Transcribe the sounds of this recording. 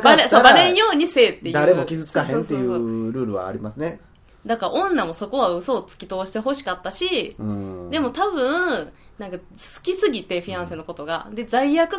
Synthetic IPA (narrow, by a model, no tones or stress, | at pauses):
baɾesobaɾẽɰ̃jo̞ːɲ̟ise̞ːt̪ːe̞jd̪ɯaɾe̞mokʲizɨt͡sɨ̥kahẽnt̪ːejɯɾɯ̟ːɾɯ̟βa̰ːɾʲimasɨne | d̪akaɾaʔõ̞nːamo̞so̞ko̞βaɯ̟so̞ːt͡sɨ̥kʲit̪o̞ːɕi̥t̪e̞ɦo̞ɕi̥kat̪ːaɕiɯ̃d̪e̞mo̞t̪abɯ̟̃ | nãŋka | sɨ̥kʲisɨɡʲit̪e̞ɸiãɰ̃senːoko̞t̪o̞ɡa̰d̪e̞d͡zaijakɯ̟